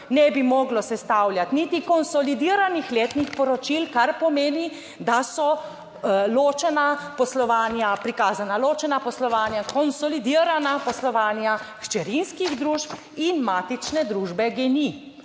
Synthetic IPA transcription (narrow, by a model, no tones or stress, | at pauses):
nɛbimɔːɡlɔsɛst̪awljat̪nit̪ikɔnsɔlid̪iɾanixleːt̪nixpɔɾɔt͡ʃilkaɾpɔmeːni | d̪asɔ | loːt͡ʃɛnapɔslɔʋaːnjapɾikaːzanaloːt͡ʃɛnapɔslɔʋaːnjakɔnsɔlid̪iəɾanapɔslɔʋaːnjaxt͡ʃɛɾinskiɣd̪ɾuʃp | inmaːt̪it͡ʃnɛd̪ɾuːʒbɛɡɛni